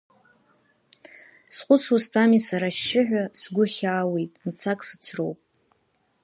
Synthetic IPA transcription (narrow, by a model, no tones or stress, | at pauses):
sχʷʊt͡sʰust͡pʰamisaɾaʃːɪʕʷᶣasɡʷʊχʲaːwejtʼmt͡sʰakʼsɨt͡sʰro̰wpʼ